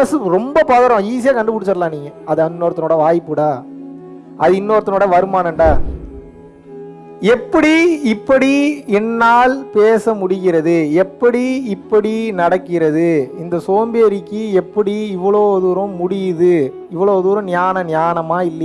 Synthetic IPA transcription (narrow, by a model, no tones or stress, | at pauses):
ɐsɯɾɔmbɐpaːðɐɾɔ̃iːsɪjaːkɐɳɖɯpʊɽɯt͡ʃːɐɾɐlãːniːŋɡɐɐðɐnːoːɾɐt̪ɐnoːɽɐʋaːjpːɯɽaː | ʔɐðɯɪnːoːɾɐt̪ːɐnoːɽɐʋɐɾɯmaːnɐɳɖaː | ɛpːɐɽiɪpːɐɽiɛnːaːlpeːsɐmʊɽɪɣɪɾɐðɯɛpːɐɽiɪpːɐɽinɐɽɐkːɪɾɐðɯɪnd̪ɐsoːmbeːɾɪkːɯɛpːɐɽiɪʋːɐɭoːðuːɾɐ̃mʊɽɪjðɯ | ɪʋːɐɭoːðuːɾɐ̃nɪjaːnɐnɪjaːɳɐmaːɪlːɐ